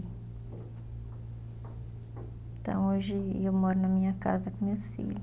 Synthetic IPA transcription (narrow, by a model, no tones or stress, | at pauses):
t̪ɐ̰̃w̃oʒewmɔɾunɐmĩɲɐka̰zɐkumefḭl